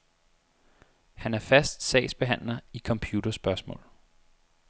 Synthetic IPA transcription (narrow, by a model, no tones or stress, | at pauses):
hænæɐfæsd̥sɛ̰ːɪsb̥e̝ɦæn̰lɐikʰɒ̽mpʰjuːd̥ɐsb̥ɶɐsmɔ̰̽ːl